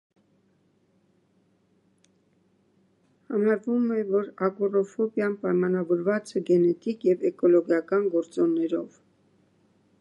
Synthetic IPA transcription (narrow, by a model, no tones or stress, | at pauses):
hɑmɑɾvumɛvɔɾɑɡurɔfɔbjɑnpɑjmɑnɑvɔɾvɑt͡sɛɡɛnɛt̪ikjɛvɛkɔlɔɡjɑkɑnɡɔɾt͡sɔnːɛɾɔv